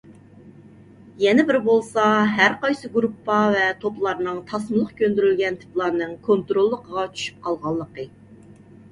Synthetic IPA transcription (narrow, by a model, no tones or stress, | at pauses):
jɛnɪbɪɾbolˠsɑɦæɾqɑjsɨɡɾupːɑvɛt̪ʰoplˠɑɾnɨŋt̪ʰɑsməlˠəqkʲʰønd̪yɾylɡʲɛnt̪ʰɪ̥plˠɑɾnɨŋkʰont̪ɾolˠːəqəʁɑt͡ʃʰy̥ʃy̥p̚qʰɑlˠʁɑlˠːəqə